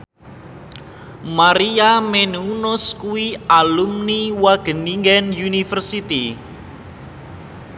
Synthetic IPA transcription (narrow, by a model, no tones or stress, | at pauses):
maɾiamenuunɔskuwialumniwaɡ̥ə̤niŋɡɛnjunifərsit̪i